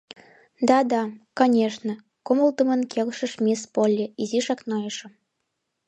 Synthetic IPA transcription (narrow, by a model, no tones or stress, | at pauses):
d̪ɑd̪ɑkɑnʲeʃnə̆ | koməlt̪ə̆mənkʰelʃə̆ʃmʲespolʲːeiziʃɑknojəʃə̆m